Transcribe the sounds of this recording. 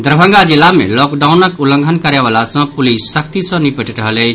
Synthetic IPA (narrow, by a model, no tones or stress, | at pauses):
d̪ɾbʱə̃ŋɡad͡ʒilːamḛlɔkɖaunəkulə̃ŋɡʱənkəɾeβalasə̃pulisːək̚t̪isə̃nipəʈəɾəɦələɪt͡ʃʰ